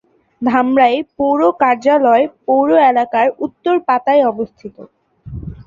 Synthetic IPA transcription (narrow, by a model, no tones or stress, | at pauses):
d̪ʱamɾaepowɾokaɾd͡ʑalɔepowɾoelakaɾut̪ːoɾpat̪aeɔbost̪ʰit̪o